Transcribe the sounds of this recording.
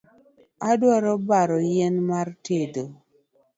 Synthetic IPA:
adwaɾɔbaɾɔjɛnmartedo

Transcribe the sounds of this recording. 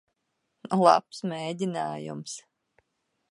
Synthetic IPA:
lˠa̰psmeːdʲinaːjṵms

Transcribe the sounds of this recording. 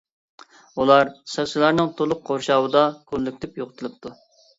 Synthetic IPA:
ulˠɑɾsɑksɪlˠɑɾnɨŋt̪ʰolˠʊq̚qʰoɾʃɑːwɨd̪ɑkʰolːykʲt̪ɪpjoʁʊt̪ʰɨlˠɨp̚t̪ʰu

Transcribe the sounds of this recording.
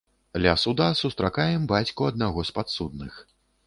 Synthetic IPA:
lʲasud̪asust̪ɾakajɛmbat͡sʲkuɐd̪̚naɣɔspat̪sud̪̚nɨx

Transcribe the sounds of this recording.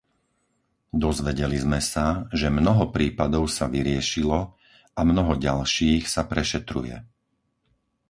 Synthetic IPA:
d̪ɔzʋɛɟɛlizmɛsaʒɛmnɔɦɔpɾiːpad̪ɔʊsaʋiɾɪɛʃilɔ | ʔamnɔɦɔɟalʃiːxsapɾɛʃɛt̪ɾṵjɛ̰

